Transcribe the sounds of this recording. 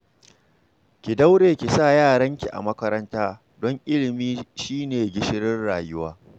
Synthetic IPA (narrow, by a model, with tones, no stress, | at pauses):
kʲɪ˨da˦wɽeː˨kʲi˨saː˦˨jaː˦˨ɽɐ˦ŋkʲi˨ʔa̰˨mɐ˦kɐ˦ɾɐ˦ntaː˦ | dɔ˦ŋʔɪ˦lɪ˨miː˦ʃiː˦neː˨ɡʲɪ˦ʃɪ˦ɾɪ˦rɽaː˨jʊ˦waː˦